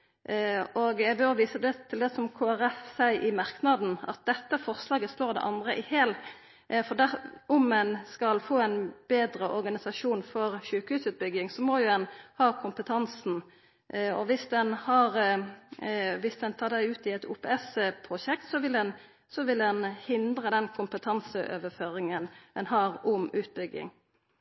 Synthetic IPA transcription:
ɔɡɛɡbœʋiːsəd̪ɛt̪ʰɪld̪ɛsɔmkʰoːæʁɛfsæɪʔɪmɑʁknɑd̪n̩ɑ̰t̪̚d̪ɛt̪ːəfɔʁslɑːɡəsloːʁd̪ɛ̰ʔɑnd̪ʁəʔɪheːl | fɔd̪æʊmːɛnskɑlfoːæɪnb̥eːd̪ɾəʔɔɾɡɑnɪsɑʂuːnfɔʁʃʉːkəhʉːsʉːt̪̚bʏɡɪŋsɔmɔjʊɛnhɑːkʰʊmpət̪ʰɑnsn̩ | ɔʋɪsd̪ɛnhɑːʁ | ʋɪsd̪ɛnt̪ʰɑːʁd̪æɪʉːt̪ɪɛt̪ʰuːpɛːɛsəpʰɾʊʃɛkt̪sɔʋɪlɛn | sɔʋɪlɛnhɪnd̪ʁəd̪ɛnkʰʊmpət̪ʰɑnsəʔø̰ːʋəføːʁɪŋənɛnhɑːʁʊmʉːt̪̚bʏɡɪ̰ŋ

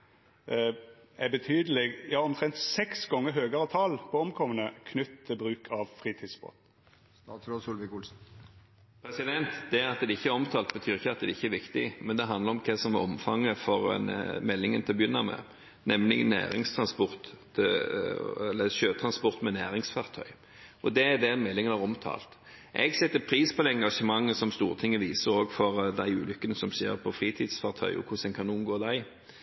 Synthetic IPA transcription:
æbət̪ʰyːd̪əleɡjæhɑɾɔmt̪ʰɾɛnt̪sɛksɡɔŋːəɾɦøːɡɑɾət̪ʰɑːlpʰɔɔmkʰɔmənəkʰnʏt̪ʰːɪlbɾʉːkʰɑʋfɾiːt̪ʰiːd̪sbo̰ːt̪ | ɑt̪sɾoːsulʋɪkʊlsn̩ | pʰɾɛsɪd̪ɛnt̪d̪ɛɑt̪d̪ɛd̪ɛɪçːəæɾɔmt̪ʰɑːlt̪̚bət̪ʰyːɾɪçːəɑt̪̚d̪ɛd̪ɛɪçːəæɾʋɪkt̪ɪmɛnd̪ɛɦɑnd̪əɾɔmkʰɑsɔmɛɔmfɑŋːəfɔɾɛ̰nmɛlːɪŋənt̪ɪlɔbjʏnːɑmɛ̰ | nɛmlɪɡənæ̰ːɾɪŋst̪ʰɾɑnspɔʁt̪ | ɛlːəɕøːt̪ʰɾɑnspɔʁt̪mɛnæːɾɪŋsfɑʁt̪ʰœ̰ʏ | ʔɔd̪ɛːd̪ɛmɛlːɪŋənɑʁɔmt̪ʰɑ̰ːlt̪ | ʔɛɡsɛt̪ːəpʰɾiːspʰɔd̪ɛɛŋɡɑʂəmɑŋːəsɔmst̪uːɾət̪ʰɪŋːəʋiːsəɾoːɡfɔɾd̪æɪʉ̰ːlʏkːənəsɔmsḛːɾpʰɔfɾiːt̪ʰɪːd̪sfɑʁt̪ʰœ̰ʏɔ̰kʰʊsɛnkʰɑnʊmɡoːd̪æɪ

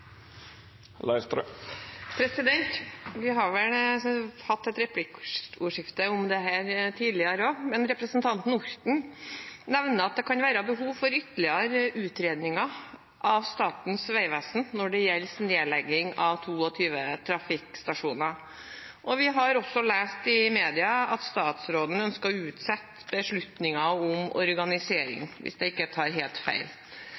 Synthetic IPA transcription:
lɑ̰ɪst̪ɾ̰ | pʰɾɛsɪd̪ɛnt̪ʋɪɦɑɾʋɛlhɑt̪ːɛt̪ɾɛpʰlɪkuːʂɪft̪əʊmd̪ɛɦæːɾt̪ʰiːd̪lɪəɾomɛnɾɛpɾəsnt̪ʰɑnt̪n̩ʊɾt̪n̩nɛʋnəɑt̪̚d̪ɛkʰɑnʋæːɾəbəɦuːʋfɔɾʏt̪ːəɭɪɑɾʉːt̪ɾeːd̪nɪŋɑ | ʔɑʋst̪ɑːt̪n̩sʋæɪʋæsn̩nɔɖɛjɛlsneːlɛɡːɪŋɑʋt̪ʰuːɔt̪ʰyːʋət̪ʰɾɑfɪkst̪ɑʂuːnɑ | ʔɔʋɪɦɑɾɔsːɔleːst̪ɪmeːd̪ɪɑɑt̪st̪ɑːt̪sɾoːd̪n̩œnskɑʉːt̪sɛt̪ː | bəʂɭʉt̪nɪŋɑʊmɔ̰ɾɡɑnɪseːɾɪ̰ŋʋɪ̰sd̪ɛɪkːət̪ʰɑːɾɦeːlt̪fæ̰ɪl

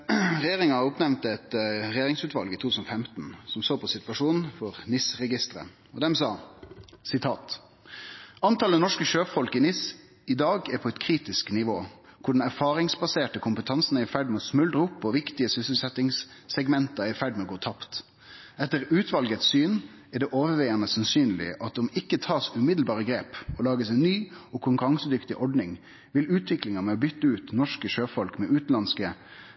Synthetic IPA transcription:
ʁɛjeːʁɪŋɑʊpnɛʋnt̪əɛt̪ɾɛjeːʁɪŋsʉːt̪ʋɑlɡiːt̪ʰut̪ʰʉːsnɔfɛmt̪n̩sɔmsoːpʰɔsɪt̪ʋɑʂuːnn̩fɔʁnɪsʁɛɡɪst̪ɾə̰ | ɔd̪ɛmsɑːsɪt̪ʰɑːt̪ | ɑnt̪ʰɑlənɔʂkəʃøːpfɔlkəɪːnɪs | ɪd̪ɑːɡæɾpʰɔɛt̪kʰʁiːt̪ɪsknɪʋoː | kʰʊɖɛn̩æɾfɑːɾɪŋsbɑseːʈəkʰʊmpət̪ʰɑnsn̩æɪfæɖmɛɔːsmʉld̪ʁəʊpːɔʋɪkt̪ɪəsʏsəlsɛt̪ɪŋssɛɡmɛnt̪ɑɪfæɖmɛɔɡoːt̪ʰɑpt̪ | ɛt̪ːəʁʉːt̪ʰʋɑlɡət̪syːn | æɖ̪ɛʔoːʋəʋɛɪɑnəsɑnsyːnlɪ̰ʔɑt̪̚d̪ɔmɪkːət̪ʰɑːsʉmɪd̪l̩bɑːʁəɡɾeːpɔlɑːɡəsɛnnyːɔkʰʊŋkʉʁɑŋsəd̪ʏkt̪ɪʔɔɖnɪŋ | ʋɪlʉːt̪ʰʋɪklɪŋɑmɛɔbʏt̪ːəʉːt̪nɔʂkəʃøːfɔlkmɛʔʉːt̪nɑnskə

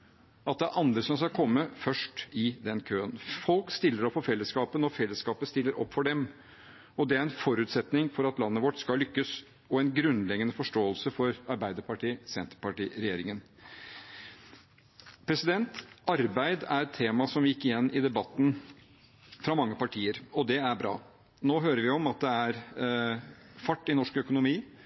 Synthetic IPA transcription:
ɑt̪̚d̪ɛæɾʔɑnd̪ɾəsɔmskɑlkʰɔmːəfœʂʈɪd̪ɛnkʰøːənfɔlkst̪ɪlːəɾɔpfɔfɛlːəskɑːpənɔfɛlːəskɑːpəst̪ɪlːəɾɔ̰pːfɔɖɛm | ɔd̪ɛæɾɛnfɔɾʉːt̪sɛt̪nɪŋfɔɾɑt̪lɑnːəʋɔʈskɑlʏkːəs | ɔɛnɡɾʉnlɛɡənəfɔʂʈoːəlsəfɔɾɑɾbæɪd̪əpʰɑʈʰiːsɛnt̪əɾpɑʈḭːɾɛjeːɾɪŋən | pʰɾɛsɪd̪ɛnt̪ʔɑɾbæɪd̪æɾɛt̪ʰːeːmɑsɔmʋjɪkːɪjɛnːɪd̪ɛbɑt̪ːn̩ | fɾɑmɑŋːəpɑʈʰiːəɾɔd̪ɛæɾbɾɑ̰ː | noːɦøːɾəɾʋɪɔmɑt̪̚d̪ɛæɾ | fɑʈːɪnɔʂkœkʊnʊmiː

